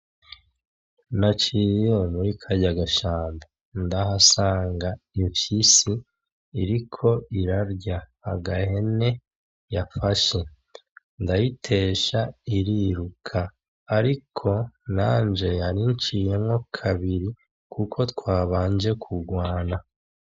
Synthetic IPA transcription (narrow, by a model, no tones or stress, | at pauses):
nat͡ʃijomuɾikʰaɟaɡaʃaːmba | ndaɦasaːŋɡaiɱfisiː | ɾikʰo̞iɾaɾɟahaɡahe̞ne̞ | jafaʃe̞ | ndajitʰe̞ːʃaiɾiɾukʰaː | ɾikʰo̞naːɲd͡ʒe̞jaɾiɲt͡ʃije̞mŋo̞kʰaβiɾi | kʰukʰo̞tkwaːβaːɲd͡ʒe̞kʰuɡwaːna